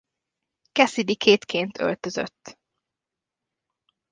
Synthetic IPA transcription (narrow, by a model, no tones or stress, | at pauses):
kɛsid̪ikʰeːt̪kʰeːnt̪ʰø̰lt̪øzø̰t̪ː